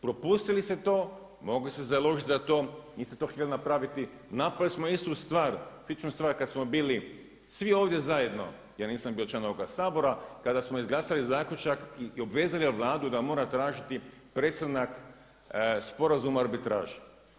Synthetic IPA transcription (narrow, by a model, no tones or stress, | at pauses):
pɾo̞puːst̪iliset̪o̞ː | mo̞ɡlisezalˠo̞ʒit̪ʲzat̪o̞ːniːst̪et̪o̞xt̪ʲjelonapɾaːʋit̪i | napɾalismoist̪ust̪ʋaːɾsit͡ʃnust̪ʋaːɾkad̪smobiːli | sʋioːʋd̪je̞zaje̞d̪no̞̰ | jaːniːsambiːot͡ʃlanoʋoɡasaːbo̞ɾakad̪asmoizɡlˠaːsalizaːkʎʲut͡ʃakio̞bʋe̞ːzaliʋlˠaːd̪ud̪amo̞ːɾat̪ɾaːʒit̪ipɾeːt̪st̪anak | spo̞ɾazumaaɾbit̪ɾa̰ːʒe